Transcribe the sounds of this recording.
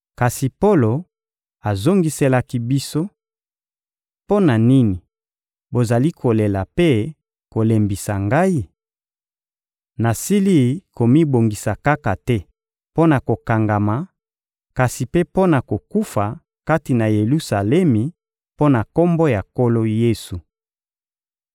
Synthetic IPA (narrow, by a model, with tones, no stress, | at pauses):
ka˨si˨po˦lo˨ | a˨zo˦ŋɡi˨se˨la˨ki˦bi˦so˦ | po˦na˨ni˦ni˨ | bo˨za˨li˦kʰo˨le˨la˨pe˦ | ko˨le˨mbi˨sa˨ŋɡa˦i˦ | na˨si˦li˦˨ko˨mi˦bo˨ŋɡi˨sa˨ka˦ka˨tɛ˦ | po˦na˨ko˨ka˨ŋɡa˨ma˨ | ka˨si˨pe˦po˦na˨ko˨ku˦fa˨ | ka˦ti˨na˨je˨lu˦sa˨lɛ˦mi˨ | po˦na˨ko˦mbo˦ja˨ko˦lo˦je˦su˨